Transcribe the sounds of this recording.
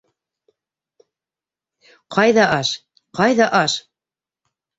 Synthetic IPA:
qʰɑjðɑʔɑʃ | qɑjðɑʔɑʃ

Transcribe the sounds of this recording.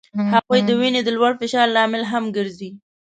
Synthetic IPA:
haɣujd̪əwined̪əlwaɽfɪʃɑɾlɑmɪlɦamɡəɾzi

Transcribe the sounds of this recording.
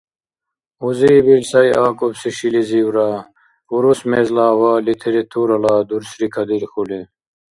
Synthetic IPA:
uzibilsɐjʔaːkobsiɕiliziwɾaː | uɾusmeːzlaːwaːlit̪ʰeɾet̪ʰuːɾɐlaːd̪uɾsɾikʰɐd̪iɾxule

